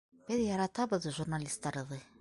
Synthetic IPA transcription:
b̥ɘðjɑɾɑt̪ɑβɤ̆ðʒurnalʲist̪ːɑɾɤ̆ðɤ

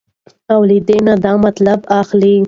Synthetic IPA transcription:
awlid̪enad̪ɑmat̪labaxli

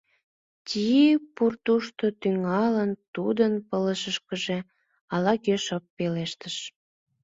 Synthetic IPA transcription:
tʲipurt̪uʃt̪ot̪yŋɑlənt̪ud̪ənpələʃəʃkəʒe | ɑlɑkøʃəpːeleʃt̪əʃ

